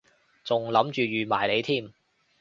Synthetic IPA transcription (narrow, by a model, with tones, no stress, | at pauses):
t͡sʊ˨ŋlɐ˨˥mt͡ʃyː˨˩ɥyː˨maː˨˩jle˨˧jt̪ʰiː˥˩m